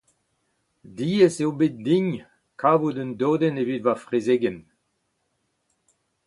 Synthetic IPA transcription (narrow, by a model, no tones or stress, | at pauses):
diːeseobet̚dĩɲ | kʰaːvudəndoːdɛnevidvafʁezeːɡɛn